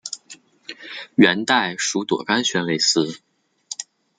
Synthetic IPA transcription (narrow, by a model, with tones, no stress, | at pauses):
ɥɛ˧˥nt̪a˥˩ɪʂu˧˥t̪wɔ̰˨˩ka˥nɕɥɛ˧˥nle˥˩ɪsɹ̩˥